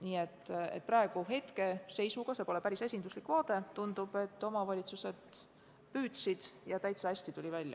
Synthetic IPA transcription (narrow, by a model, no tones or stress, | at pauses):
niːe̞t̪ːˑe̞̰t̪̚ːˑprɑe̞ɡ̥uɦe̞t̪ke̞se̞jsuɡ̥ɑse̞po̞le̞pæɾise̞sʲind̪uslikːˑvɑːt̪e̞t̪und̪ub̥e̞t̪ːo̞mɑvɑlʲit̪suse̞d̪̥ | pyːt̪sid̪̥jɑt̪æjt̪seæsʲt̪it̪ulʲivælʲjɑ̰